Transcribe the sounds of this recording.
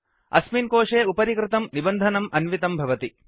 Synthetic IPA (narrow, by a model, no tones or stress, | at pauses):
ɐ̰smiːnkoːʂeːupɐɾikɾɪt̪ɐmnibɐnd̪ʱɐnɐmʔɐnʋit̪ɐmbʱɐʋɐt̪i